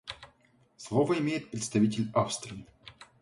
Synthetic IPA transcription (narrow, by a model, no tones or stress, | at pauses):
slˠovəɪmʲejɪt̪̚pɾʲɪt̪st̪ɐvʲitʲɪlʲafst̪ɾʲɪɪ